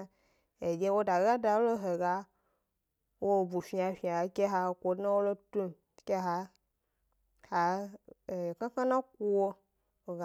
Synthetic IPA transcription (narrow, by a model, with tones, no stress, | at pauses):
e˨d͡ʒe˦wo˦da˨ɣa˦da˨wo˦lo˦ɦe˨ɡa˦ | wo˦˨bu˨fi˦a˨fĩ˨a˨e˨ke˦ɦa˨kʷo˨dnã˦wo˦lo˦tu˦m˦ | ke˦ɦa˨ | ha˨ | kã˦kã˦nã˦k̚u˦wo˦ | o˨ɣa˨